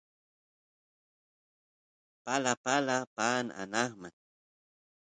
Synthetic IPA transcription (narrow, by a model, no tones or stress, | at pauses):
palapalapaːna̰naχman